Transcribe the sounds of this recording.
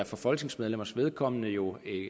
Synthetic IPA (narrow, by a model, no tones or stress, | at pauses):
æɐfɒ̽fɒ̽l̰ɡ̥ne̝ŋsmeð̞ˠlemɐsʋe̝ð̞ˠkʰɒ̽m̰ənəjo̝e